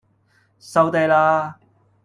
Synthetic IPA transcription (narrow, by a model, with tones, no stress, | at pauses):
sɐ˨˧wt̪e˨˧jlaː˧